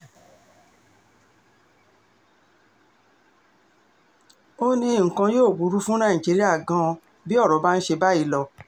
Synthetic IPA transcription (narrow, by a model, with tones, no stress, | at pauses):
o˦nĩ˧˨ŋ̩˨kã˧joː˦˨bu˨˦ɾu˦fũ˦ñã˦˨ĩ˨d͡ʒi˨˦ɾi˦a˦˨ɡã˧˦ɔ˧ | bi˦ɔ˦˨ɾɔ˨˦ba˦n̩˦ʃe˧ba˦i˨˧˦lɔ˧